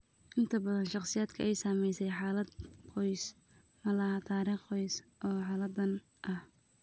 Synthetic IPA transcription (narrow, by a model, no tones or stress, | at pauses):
ʔɪnt̪ʰɐbɐðɐnʃɑqsɪjaːd̪̥kʰɐʔɛjsaːmɛjsɛjħaːlɐd̪qɔjs | mɐlɐhɐt̪ʰaːɾiːχɔjsʔɔːħaːlɐd̪ːɐn | ʔɐh